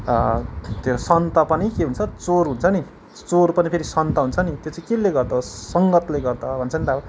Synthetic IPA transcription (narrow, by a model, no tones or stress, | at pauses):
t̪josʌnt̪ʌpʌnikeɦunt͡sʰʌt͡sorɦunt͡sʰʌni | t͡sorpʌnipʰeɾisʌnt̪ʌɦunt͡sʰʌnit̪jot͡saĩkilːeɡʌrd̪ʌsʌŋɡʌt̪leɡʌrd̪ʌbʱʌnt͡sʰʌnit̪abʌ